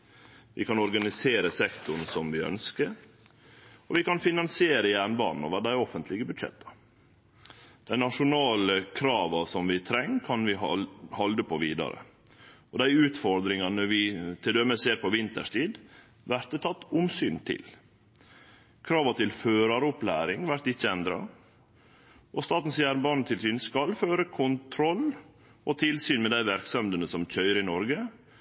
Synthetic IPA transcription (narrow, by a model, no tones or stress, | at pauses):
ʋʔɪ̰kʰɑnɔɾɡɑnɪseːɾəsɛkt̪ʊɳ̩sɔmʋɪœ̰nskəɾ | ɔʋɪkɑnfɪnɑnsɪeːɾəjæːɳbɑ̰ːnn̩o̰ːʋəɖ̪æɪɔfənt̪ʰlɪɡəbʉd̪ʂɛ̰t̪ːɑ̥ | d̪̥æɪnɑʂʊnɑːləkʰɾɑːʋɑsɔmʋɪt̪ʰɾɛŋːkʰɑnʋɪhɑld̪əpʰoʋiːd̪ɑ̰ɾə̰ | ɔd̪æɪʉːt̪fɔɾd̪ɾɪŋɑnəʋɪt̪ʰɪld̪ɛməseːɾpʰɔʋɪnt̪ə̰ʂtiːd̪ | ʋæɾt̪ət̪ʰɑt̪ːʊmsyːnt̪ʰɪ̰l | kʰɾɑːʋɑt̪ʰɪlføːɾɑɾʊplæ̰ːɾɪŋʋæɾt̪ɪçːəɛnd̪ɾɑ̰ | ʔɔst̪ɑːt̪n̩sjæːɾbɑɳ̩t̪ʰɪlsyːnskɑlføːɾəkʰʊnt̪ʰɾɔl | ɔt̪ʰɪlsyːnmɛd̪æɪʋæɾksœmd̪ənəsɔmc͡çœʏɾɪnɔɾɡə